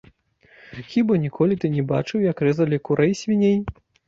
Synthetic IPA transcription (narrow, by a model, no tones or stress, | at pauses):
xʲibɐnʲikɔlʲit̪ɨnʲɛbat͡ʂɨwjɐkrɛzɐlʲikuɾɛjsʲvʲinʲej